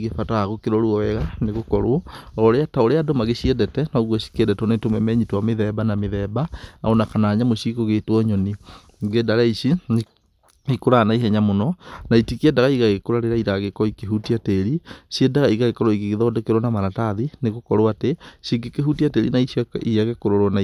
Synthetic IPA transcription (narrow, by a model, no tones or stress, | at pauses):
iɣefataaɣokeɾɔɾuɔwɛɣaneɣokɔɾoɔɔɾeataoɾeadomaɣeɕiɛdɛtɛnɔːɣwɔɕi̥keɛdɛtonetomɛmɛɲitowameðɛbanameðɛbaa̰ɔnakanaɲamoɕikoɣetwɔɲɔni | ŋɡedaɾaiɕi | ikoɾanaiɦɛɲamonɔnaitikiɛdaɣaiɣaɣekoɾaɾeɾaiɾaɣekɔɔikeɦutiateɾiɕiɛdaɣaiɣaɣekɔɾɔiɣeɣeðɔdekeɾwɔnamaɾataðineɣokɔɾoateɕiɡekeɦutiateɾḭnaiiaɣekoɾoɾɔna